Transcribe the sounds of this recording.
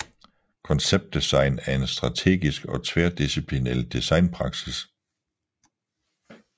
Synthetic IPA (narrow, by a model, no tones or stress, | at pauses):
kʰɒnseb̥̚d̥isɑ̈ɪnæɐe̝nsd̥ʁɑ̈t͡sʰe̝̰ːɡ̥isɡ̥ɒ̽t͡sʰʋeɐd̥isipʰlinḛld̥isɑ̈ɪnpʰʁɑ̈ɡ̥sis